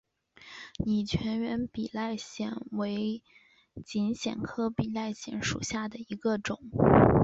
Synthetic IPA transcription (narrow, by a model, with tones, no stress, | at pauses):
ni˨˩t͡ɕʰɥɛ˧˥nɥɛ˧˥npi˨˩la˥˩ɪɕjɛ̰˨˩nwe˧˥ɪ | t͡ɕi˧˥nɕjɛ̰˨˩nkʰɤ˥pi˨˩la˥˩ɪɕjɛ˧˥nʂṵ˨˩ɕja˥˩d̪ə˩i˧˥ɡə˧ʈ͡ʂʊ˨˩˦ŋ